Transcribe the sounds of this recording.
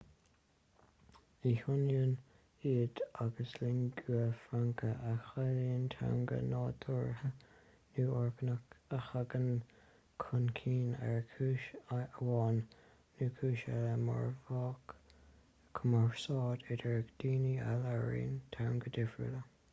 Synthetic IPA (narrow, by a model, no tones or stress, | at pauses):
ihʊnjən | iːd̪aɡəslɪŋɡuəfɾaŋkʰəʔaxaliːntʰɛ̰ɹŋɡə̰nɑːd̪ʰʊɹhə | nuːɔɹkənəkəxaɡən | kʰʊnkʰiːnɛ̰ɹkʰuːʃaəwɑːnː | uːkʰuːʃaləmɔ̰ɹvɑːk | kʰəmaɹsɑːdɪdɛɹəkd̪̥iːnia̰laɹḭːnt̪ʰaɹŋɡəd̪ɪfɹə̰lə